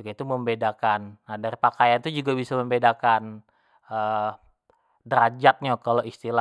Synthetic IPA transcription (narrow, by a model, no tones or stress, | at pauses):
kait̪uməmbedakanːadaɾipakajant̪ud͡ʒuɡabisaməmbedakan | ə | dɾad͡ʒat̪̚ɲakaloist̪ila